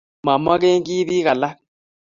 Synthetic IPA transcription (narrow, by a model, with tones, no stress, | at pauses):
ma˨ma˦ke˦ŋki˦ði˦ka˨la˦